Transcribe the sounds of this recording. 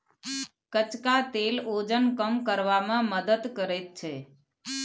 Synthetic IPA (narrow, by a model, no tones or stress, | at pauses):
kət͡ʃkat̪elod͡ʒənkəmkəɾʋamãməd̪əd̪kəɾet̪t͡ʃʰe